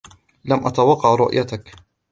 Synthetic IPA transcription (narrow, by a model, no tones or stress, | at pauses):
lamʔat̪awɑqːɑʕɾˤʊʔjat̪ak